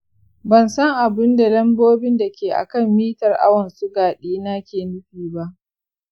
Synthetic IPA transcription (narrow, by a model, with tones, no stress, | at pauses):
bɐ˨nsɐ˦ŋʔa˨bɪ˦nda˨lɐ˦mboː˦bɪ˦nda˨kʲeː˨ʔa̰˨kɐ˦˨mːiː˦tɐ˨rʔa̰˦wɐ˨nsʊ˦ɡaː˨ɗiː˦na˦kʲeː˨nʊ˦ɸiː˨ba˦ʔ